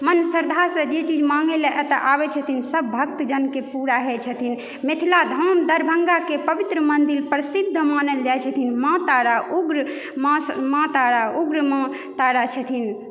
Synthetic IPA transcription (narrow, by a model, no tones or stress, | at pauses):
mənsəɾd̪ʱasə̃d͡ʒet͡ʃid͡ʒmaŋɡelɛʔɛt̪əʔabɛt͡ʃʰət̪ʰinsəbbʱək̚t̪d͡ʒənkepuɾaɦɛt͡ʃʰət̪ʰin | met̪ʰilad̪ʱəmd̪əɾbʱəŋɡakepəʋit̪ɾəmənd̪ilpɾəsid̪ʱːəmanəld͡ʒajt͡ʃʰət̪ʰinmãt̪aɾaʔuɡɾ | mamãt̪aɾauɡɾmã | t̪aɾat͡ʃʰət̪ʰin